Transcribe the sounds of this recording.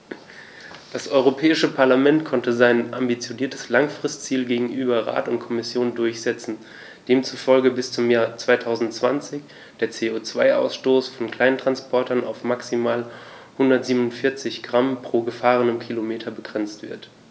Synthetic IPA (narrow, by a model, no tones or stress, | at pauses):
d̥asʔɔʏʁopʰɛːɪʃəpʰaɐlamɛntkʰɔntəzaɪnʔambit͡sjoniːɐtʰəslaŋfʁ̥ɪstt͡siːlɡeːɡŋ̩ʔyːbɐʁa̰ːtʊntkʰɔmɪsjoːndʊɐçz̥ɛt͡sn̩ | d̥eːmt͡sufɔlɡəbɪst͡sʊmjaːɐt͡sv̥aɪtʰaʊzn̩tt͡sv̥a̰nt͡sɪç | d̥eːɐt͡seːoːt͡sv̥aɪʔa̰ʊsʃtoːsfɔnkl̥aɪnntʁ̥anspʰɔɐtɐna̰ʊfmaksimaːl | hʊndɐtz̥iːbnʊntfɪɐt͡sɪçɡ̥ʁampʁ̥oːɡəfaːʁ̞ənəmkʰilomeːtʰɐbəɡʁɛnt͡stv̥ɪɐt